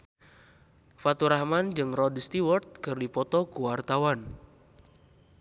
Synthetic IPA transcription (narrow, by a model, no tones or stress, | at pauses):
fat̪uɾahmand͡ʒɨŋrɔdst̪iwərt̪̚kɨrdipɔt̪ɔkuwart̪awan